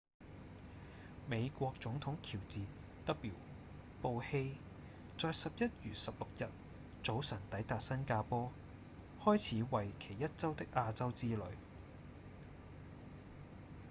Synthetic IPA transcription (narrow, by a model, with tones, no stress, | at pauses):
me˨˧jkʷɔː˧k̚t͡sʊ˨˥ŋt̪ʰʊ˨˥ŋkʰiː˨˩wt͡siː˨ | t̪ɐ˥k̚ːiː˨˩w | po˧whe˧j | t͡sɔː˨˧jsɐ˨p̚jɐ˥t̚jyː˨˩sɐ˨p̚lʊ˨k̚jɐ˨t̚ | t͡so˨˥wsɐ˨˩ŋt̪ɐ˨˥jt̪aː˨t̚sɐ˥nkaː˧pɔː˥ | hɔː˥jt͡sʰiː˨˥wɐ˨jkʰe˨˩jːɐ˥t̚t͡sɐ˥wt̪ɪ˥k̚ʔaː˧t͡sɐ˥wt͡siː˥lɵ˨˧ɥ